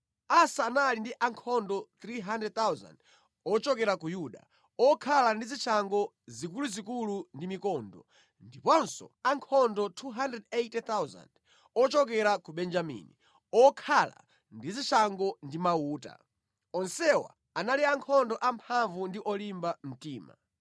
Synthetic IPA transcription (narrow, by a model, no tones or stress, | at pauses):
asaːnalindiʔaŋkʰɔndɔt̪ɾiɦandrɛd̚t̪awza̰nd | ɔt͡ʃɔkɛɾakujuɗa̰ | ɔkʰalandizit͡ʃʰaŋɡɔ | zikuluzikulundimikɔndɔ̰ | ndipɔnsɔ̰aŋkʰɔndɔtʰuɦandɛdetɛt̪awza̰nd | ɔt͡ʃɔk̬ɛɾakuɓɛnd͡ʒamḭni | ɔkʰala̰ | ndizit͡ʃʰaŋɡɔndimauːta̰ | ɔnsɛwa̰ | analiaŋkʰɔndɔʔampʰaɱvundiʔɔlimbam̩tiːma̰